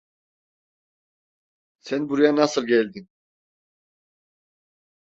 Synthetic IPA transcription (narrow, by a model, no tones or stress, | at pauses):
sænbuɾujanasɯlˠɟɛlʲd̪in